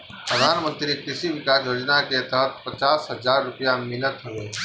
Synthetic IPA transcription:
pɾəd̪ʱaːnmə̃nt̪ɾikɾɪsiʋɪkaːsjoːd͡ʒnaket̪əɦət̪̚pət͡ʃaːsɦəd͡ʒaːɾːʊpjamɪlət̪ɦoʋeː

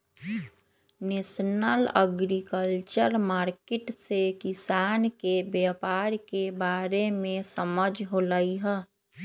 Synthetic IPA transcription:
neːsnələɡɾikəlt͡ʃəɾmaːɾkeʈsekɪsaːnkebjəpaːɾkebaːɾemẽsəməd͡ʒʱɦolaːiɦɛː

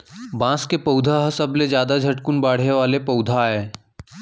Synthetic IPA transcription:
bãːskepɐʊd̪ʱaɦɐsɐbled͡ʒjaːd̪ad͡ʒʱɐʈkʊnbaːɽ̤eʋaːlepɐʊd̪ʱaɦɛː

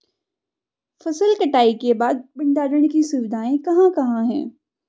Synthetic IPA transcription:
fɐsəlkɐʈaːikebaːd̪̚ɓɪ̃ɳɖaːɾəɽ̃kisuːʋɪd̪ʱaːẽkɐɦãkɐɦãɦɛ̰̃ː

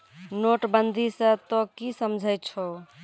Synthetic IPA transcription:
noʈbənd̪ʱisə̃t̪ɔkisəmd͡ʒʱəjt͡ʃʰɔ

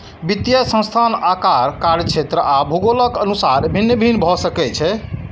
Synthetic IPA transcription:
bit̪jəsə̃st̪ʰanakaɾkaɾət͡ʃʰet̪ɾəabʱuɡoləkənusaɾbʱinːəbʱinbʱɔsəkɛt͡ʃʰɛ

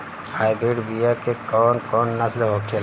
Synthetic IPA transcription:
haːɪbɾiɖbijakekɔːnkɔːnnəslɦokʰel

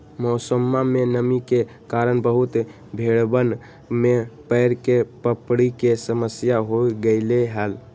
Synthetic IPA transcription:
mɔsəmːamenəmike | kaɾənbəɦut̪ | bʱeɽbən | mepəɪɾkepəpɽikesəməsjaɦoiɡəɪleɦəl

